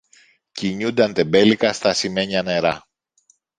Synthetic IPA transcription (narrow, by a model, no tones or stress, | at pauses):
ciɲund̪ɐnt̪e̞be̞likɐst̪ɐsime̞ɲɐne̞ɾɐ